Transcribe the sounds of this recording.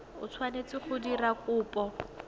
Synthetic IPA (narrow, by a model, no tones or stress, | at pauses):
ʊ̰t͡sʰwanet͡sɪχʊdirakʼʊːpɔ